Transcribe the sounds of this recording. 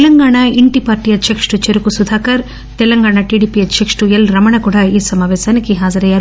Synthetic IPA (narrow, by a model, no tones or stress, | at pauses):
lɐŋɡaːɳaiɳʈipaːɾʈiːjɐd̪ʃekʂʈut͡ʃeɾukusud̪ʱaːkɐɾ | t̪ɛlɐŋɡaːɳaʈiːɽiːpiɐd͡ʒʃekʂʈujɐlɾɐmɐɳɐkuːɽaːiːsɐmaːʋɛːʃaːnikiɦaːd͡ʒɐɾɐjːaːɾu